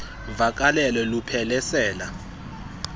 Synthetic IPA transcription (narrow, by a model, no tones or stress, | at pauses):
vak̬ʼalɛlɛlupʰɛlɛsɛːla